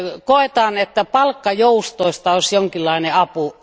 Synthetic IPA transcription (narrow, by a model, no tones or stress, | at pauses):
koet̪ɑːnet̪ːæpɑlkːɑjoust̪oˑist̪ɑosʲjoŋkilːɑˑineɑpu